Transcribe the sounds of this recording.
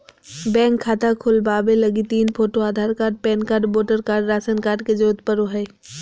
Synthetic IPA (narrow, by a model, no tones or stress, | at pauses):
bɛ̃ːŋkʰːaːt̪akʰʊlbaːbelɐɡit̪iːnpʰoːʈoaːd̪ʱaːɾkaːɾɖ̚pɛːnkaːɾɖboːʈəɾkaːɾɖɾaːsənkaːɾɖ̚ked͡ʒoːt̪pəɾoɦɛː